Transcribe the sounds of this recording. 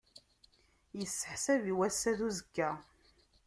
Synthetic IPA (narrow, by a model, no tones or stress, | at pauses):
jəsːə̥ħsæviwæsːæðuzəkːæ